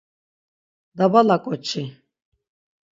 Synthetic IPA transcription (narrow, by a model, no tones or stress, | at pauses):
d̪abalakʼɔt͡ʃʰi